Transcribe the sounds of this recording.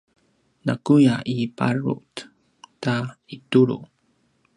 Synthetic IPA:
nakujaʔiparṵt | taituɾṵ

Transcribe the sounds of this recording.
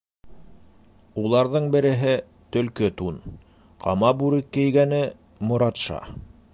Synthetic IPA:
ulˠɑɾðɤɴbɘ̆ɾɘ̆ɦɘ | t̪ɵ̆lkɘt̪un | qʰɑmɑbʉɾɘkːɘ̆jɡænɘ | mŏɾɑt̪ʃɑ̰

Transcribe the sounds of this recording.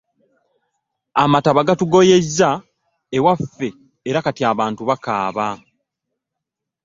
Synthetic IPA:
amataβaɡatuɡo̞je̞zːa | ewafːe̞ː | ɾakatiaːβaːntuβakaːβa

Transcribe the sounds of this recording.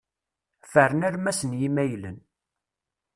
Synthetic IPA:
fəɾənæɾmæsənjimæjlən

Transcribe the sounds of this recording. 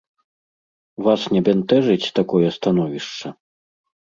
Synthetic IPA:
vasnʲɛbʲɛnt̪ɛʐɨt͡sʲt̪akɔjɛst̪anɔvʲiʂt͡ʂɐ

